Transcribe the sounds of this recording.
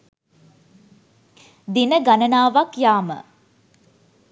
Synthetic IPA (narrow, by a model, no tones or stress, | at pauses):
d̪inəɡanənaːʋakjaːmə̰